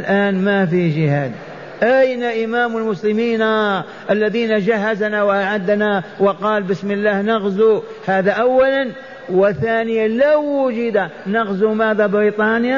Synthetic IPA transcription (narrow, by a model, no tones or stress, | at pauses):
lʔaːnmafid͡ʒɪhaːd̪ | ʔajnaʔɪmaːmɪlmʊslɪmiːna | ʔalːaðiːnad͡ʒaɦːazanawʔaʕad̪ːanawɪqɑːlbɪsmɪlːaːhnaɣzu | haːðaʔawːalan | wɪθaːnɪjalawːʊd͡ʒɪd̪anaɣzumaːðabɪɾiːt̪ˤɑːnja